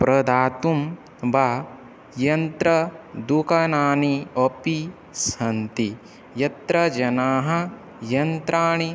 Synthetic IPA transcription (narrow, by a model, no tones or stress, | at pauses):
pɾɐd̪aːt̪um | ba | jɐnt̪ɾɐd̪ukɐnaːɳiɐpi | sɐnt̪i | jɐt̪ɾɐd͡ʒɐnaːɦɐ | jɐnt̪ɾaːɳi